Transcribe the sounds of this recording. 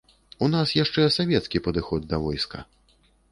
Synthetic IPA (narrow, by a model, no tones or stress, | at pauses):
unasjaʂt͡ʂɛsavʲɛt̪skʲipɐd̪ɨxɔd̪̚ːɐvɔjskɐ̰